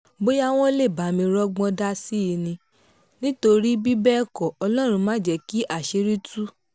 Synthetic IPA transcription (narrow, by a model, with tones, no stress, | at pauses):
bo˦ja˦w̃ɔ̃˦le˦˨ba˨˦mĩ˧ɾɔ˦ɡ͡bɔ̃˧da˦si˦i˧nĩ˧ | nĩ˦to˧ɾi˦bi˦bɛ˦˨kɔ˨ɔ˧lɔ̃˦˨ɾ̃ũ˧mã˦˨d͡ʒɛ˨˦ki˦ʔa˦˨ʃe˧˦ɾi˦tu˦